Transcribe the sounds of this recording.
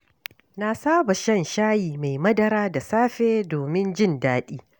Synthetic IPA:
na˨saː˦ba˨ʃɐ˦nʃaː˦jiː˨ma˨jmɐ˦dɐ˨ɾaː˦da˨saː˦ɸeː˦doː˨mɪ˦nd͡ʒɪ˦˨ndaː˦ɗiː˦

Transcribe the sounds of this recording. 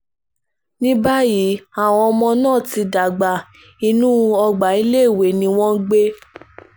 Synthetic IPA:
nĩ˦ba˦ji˨˦a˨w̃ɔ̃˧ɔ˧mɔ̃˧nãː˦˨ti˧da˨ɡ͡ba˨ | i˧nũ˦˧ɔ˧ɡ͡ba˨i˦le˦i˦˨we˨nĩ˧˦w̃ɔ̃˦ɡ͡be˦

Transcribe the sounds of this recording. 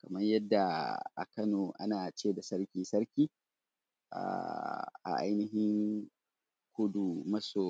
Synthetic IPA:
kɐ˨mɐ˦ɲjɐ˦dːa˨ʔa̰˨kɐ˦noː˨ʔa̰˦naː˨t͡ʃeː˦˨da˨sɐ˦ɾkʲiː˦sɐ˦ɾkʲiː˦ | ʔa̰˨ʔa̰˨ʔa̰˦jnɪ˦ɦɪ˦ŋ | kʷʊ˦du˨mɐ˦soː˨

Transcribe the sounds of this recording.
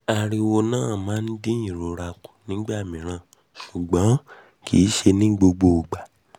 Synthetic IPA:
a˨ɾi˧wo˧nãː˦˨mãː˨˦n̩˦di˦ĩ˨ɾo˨˦ɾa˧ku̥˨nĩ˨˦ɡ͡ba˦˨mĩ˨ɾ̃ã˧˦˨ | ʃu˨ɡ͡bɔ̃˨˦ | kʰi˨˦ʃe˧nĩ˦ɡ͡bo˧ɡ͡bo˧o˨ɡ͡ba˨

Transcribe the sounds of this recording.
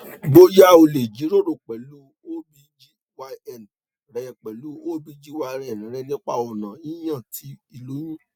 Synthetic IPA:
ɡ͡bo˦ja˦o˧le˨d͡ʒi˨˦ɾo˦˨ɾo˨k͡pɛ˨lu˨˦ | o˦bi˧d͡ʒi˦ | wa˧ɛ˦˨n˨ | ɾɛ˨jɛ˨k͡pɛ˨lu˨˦o˦bi˦d͡ʒi˦wa˧ɾɛ˦˨ñ˨˦ɾɛ˧nĩ˦k͡pa̰˦ɔ˨nã˨i˦j̃ã˦˨tʰi˨˧˦i˨lo˨˦jũ˦

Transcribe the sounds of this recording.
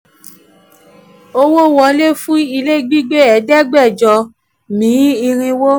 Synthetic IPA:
o˦wo˦˨wɔ˧˦le˦fũ˦i˧le˦˨ɡ͡bi˦ɡ͡be˦ɛ˨˦dɛ˦ɡ͡bɛ˦˨d͡ʒɔ˧ | mĩ˨˦i˧ɾ̃ĩ˧wo˦

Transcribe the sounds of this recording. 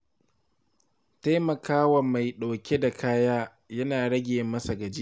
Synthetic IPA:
ta˦mɐ˨kaː˦wɐ˨mːa˨jɗa˨kʲe˦da˨kʰaː˦jaː˦ | jɐ˦naː˨ɽɐ˦ɡʲɪ˨jɪ˦mːɐ˦sa˨ɡɐ˨d͡ʒi˦ʔ

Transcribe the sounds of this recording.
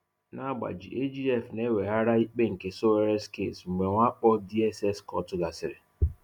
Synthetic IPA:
na˦ɡ͡ba̰˨d͡ʒi˨ʔe˦d͡ʒi˦ɛ˦˨fne˦we˨ɦa˦ɾa˦i˦k͡pe˦ŋ̩˨ke˨so˦e˦ɾe˦skḛ˦˨sŋ͡m̩˨ɡ͡be˨ŋʷa˦k͡pɔ˦di˦ɛ˦sɛ˦skɔ˦tʊ˦ɡa˨sɪ˨ɾɪ˨

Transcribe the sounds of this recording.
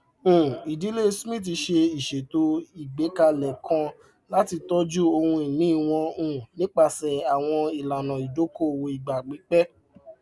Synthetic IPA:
i˨di˨˦le˦˧smĩ˦˨t̬i˧ʃe˧i˨ʃe˨to˦i˦˨ɡ͡be˨˦ka˧lɛ˨kʰã˧ | la˦ti˧tɔ˦d͡ʒu˦o˧hũ˧i˨mĩ˨˦˨w̃ɔ̃˧ũ˦˨nĩ˨˦k͡pa˦˨sɛ˨a˨w̃ɔ̃˧i˨la˨nã˨i˨do˨˦ko˦˨wo˧i˨ɡ͡ba˨ɡ͡bi˨˦k͡pɛ˦

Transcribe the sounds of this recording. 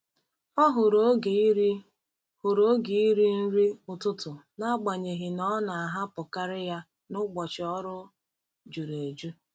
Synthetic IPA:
ɔ˦ɦʊ˨ɾo˦ɡ | hʊ˨ɾo˦ɡi˨i˦ɾi˦n̩˦ɾi˦ʊ˨tʊ˦tʊ˨na˦ɡ͡ba˨ɲe˨ɦɪ˨nɔ˦na˨a˨ɦa˦pʊ˨ka˦ɾɪ˦ja˦ | nʊ˦ɡ͡bɔ˨t͡ʃɪ˨ɔ˦ɾʊ˦ | d͡ʒu˨ɾe˨d͡ʒu˦

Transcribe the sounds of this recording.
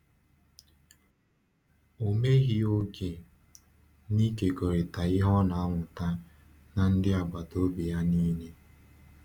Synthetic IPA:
o˨me˦ɣi˦o˦ɡe˨ | ni˦ke˨ɡo˨ɾɪ˨ta˨ɪ˦ɦɔ˦na˨a˦ŋʷʊ˨ta˦ | na˨n̩˦dɪ˦a˨ɡ͡ba˨do˦bi˨ja˦niː˦ne˦

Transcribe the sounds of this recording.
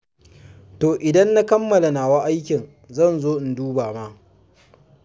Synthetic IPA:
toː˨ʔɪ˨dɐ˦nːa˦kɐ˦mːɐ˨la˨naː˨wa˦ʔa˦jkʲɪ˨n | zɐ˦˨nzoː˦ʔɪ˨nduː˦baː˨ma˦

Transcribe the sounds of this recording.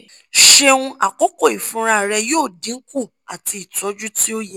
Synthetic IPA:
ʃe˧wũ˧a˨ko˨˦ko˦˨i˨fũ˨˦ɾa˦˨ɾɛ˧joː˦˨dĩ˨˦ŋ̩˦ku˦˨ | a˨ti˧i˨tɔ˨˦d͡ʒu˦ti˦o˦jɛ˦

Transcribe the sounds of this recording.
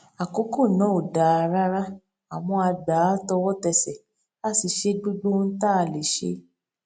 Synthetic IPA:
a˨ko˨˦ko˦˨nɔ̃˨˦o˨da˨a˧ɾa˦ɾa˦ | a˨w̃ɔ̃˧a˧ɡ͡ba˨˦tɔ˧wɔ˦tɛ˧˨sɛ˨ | a˦˨si˨ʃe˦ɡ͡bu˦ɡ͡bo˦n̩˦ta˦˨le˨ʃḛ˧˦

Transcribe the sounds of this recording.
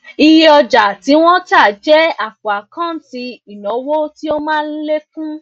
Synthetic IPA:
i˧ji˦ɔ˧d͡ʒa˨ti˨˦w̃ɔ̃˦ta˦˨d͡ʒɛ˦a˦˨kwa˨kã˦˨n̩˦ti˧i˨nɔ̃˨˦wo˦ti˦o˦mãː˦˧n̩˦le˦kũ˦

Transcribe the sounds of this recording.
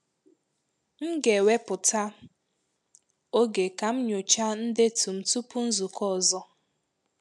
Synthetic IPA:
ŋ̩˦ɡe˨we˦pʊ˨ta˦ | o˦ɡe˨ka˨m̩˦ɲo˨t͡ʃa˦n̩˦de˦tu˨m̩˨tu˦pu˦n̩˦zu˨kɔ˦˨zɔ˦

